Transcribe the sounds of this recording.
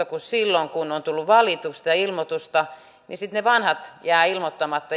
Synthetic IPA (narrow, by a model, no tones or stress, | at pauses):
okussilːoŋkunont̪ulːuʋɑlit̪ust̪ɑjɑilmot̪ust̪ɑ | nisit̪neʋɑnhɑt̪jæːilmot̪ːɑmɑt̪ːɑ